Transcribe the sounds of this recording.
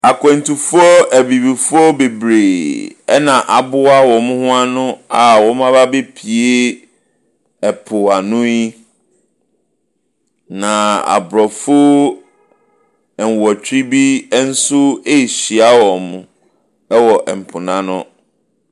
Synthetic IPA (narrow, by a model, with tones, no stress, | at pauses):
a˨kʰɛ̃˨n˨tu˨fʊ˦ɔ˦ʔæ˨bi˨bi˨fʊ˦ɔ˦be˨bɾeː˨ɛ˦nã˨ʔa˨bʊ˦a˦wɔ̃˨mʊ̃˦hʊ̃˦a˦nʊ̃˦a˨wɔ̃˦mã˦ba˦be˦pʰi˨e˦ | ɛ˨pʰʊ˨a˨nʊ̃˦ji˦ | nã˨a̰˨bɾɔ˨fʊ˦ | ɛ˨n˨wɔ˨t͡ɕʰᶣɾi˦bi˦n̩˦sʊ˦e˦˨ɕi˨a˦wɔ̃˨m˨ | ɛ˦wɔ˨ʔɛ˨m̩˨pʰʊ˨nã˦nʊ̰̃˦